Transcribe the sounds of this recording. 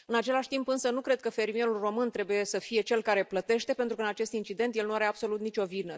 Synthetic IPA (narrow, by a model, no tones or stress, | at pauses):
ɨnat͡ʃe̞laʃʲt̪impɨnsənukɾe̞d̪̚kəfe̞rmie̞ɾulro̞mɨnt̪ɾe̞buje̞səfije̞t͡ʃe̞lkaɾe̞plət̪e̞ʃt̪e̞pe̞nt̪ɾukəɨnat͡ʃe̞st̪int͡ʃid̪ent̪jelnuaɾe̞ab̥so̞lut̪nit͡ʃʲo̞vinə